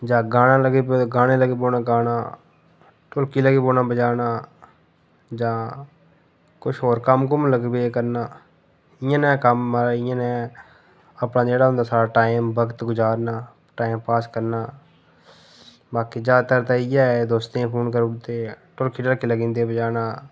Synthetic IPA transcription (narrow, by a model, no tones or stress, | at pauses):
d͡ʒãːɡaːnãːləɡeːbɡaːɽeːləɡeːboːnaːɡaːnaː | ʈʊɾkiːləɡeːboːnaːbəd͡ʒaːnaː | d͡ʒãː | kʊʃʰɦoːɾkəmkʊmləɡbekəɾnaː | ɪjãːnɛ̃ːkəmːəɾaɪjãːnɛ̃ː | əpnãːd͡ʒeːɽaːɦʊ̃nd̪aːsaːɽaːʈaːiɪmbəɡət̪ɡʊd͡ʒaːɾnaː | ʈaːimpaːskəɾnaː | baːkiːd͡ʒaːt̪əɾt̪aːiːjaːɛd̪oːst̪ːãːpʰoːnkəɾʊɽt̪eːʈʊɾkiːɖəlkiːləɡĩːnd̪eːbəd͡ʒaːnaː